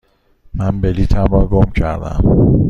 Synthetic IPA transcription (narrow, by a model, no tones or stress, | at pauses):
mænbeliːt̪ʰæmɒɡomcʰæ̰ɾd̪æ̰m